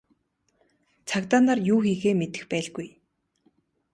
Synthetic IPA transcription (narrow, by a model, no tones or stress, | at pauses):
t͡sʰakt̪aːnaːrjuːxiːɣeːmet̪ɘ̥̆xpæːɮɡuj